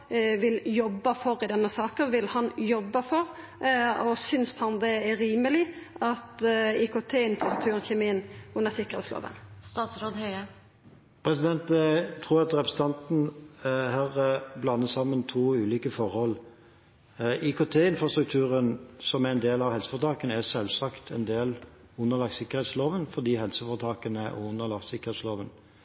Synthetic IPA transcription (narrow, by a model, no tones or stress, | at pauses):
ʋɪljɔbːəfɔɾɪd̪ɛnːəsɑːkənʋɪlhɑnjɔbːəfɔɾ | ɔsʏnshɑnd̪ɛɛɾiːməlɪʔɑt̪ikot̪ʰeːɪnfɾɑst̪ɾʉkt̪ʉːɾənçɛmɪənʊnəsɪkːəʁḛːt̪slo̰ːʋ̪ə̰nst̪ɑːt̪sɾoːd̪hœʏə | pʰɾɛsɪd̪ɛnt̪t̪ʰʁuːʁɑt̪ɾɛpʰɾəsət̪ɑnt̪n̩hɑːʁblɑnːəsɑmːənt̪ʰuːʉːliːkəfɔɾhɔl | ikot̪ʰeːɪnfʁɑst̪ʁʉk̚t̪ʰʉːʁənsɔmæɛnd̪eːlɑʋhɛlsə̥fɔʁt̪ʰɑːkənəæsɛlsɑkt̪ʰɛnd̪eːl | ʊnːəʁlɑɡsɪkːəʁhɛt̪sloːʋənfɔd̪iːhɛlsəfɔʁt̪ʰɑːkənəʔɔ̰ʊnːəlɑɡ̪sɪkːəʁhɛt̪sloːʋən